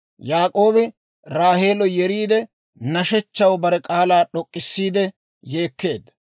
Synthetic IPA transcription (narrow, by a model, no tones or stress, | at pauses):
jaːkʼo̞ːbɪ | ɾaːhe̞ːlɔjɛɾiːd̪ɛ | nɐʃɛt͡ʃːɐwbɐɾɛkʼaːlaːɗɔkʼːɪsːiːd̪ɛ | jeːkːe̞ːd̪ɐ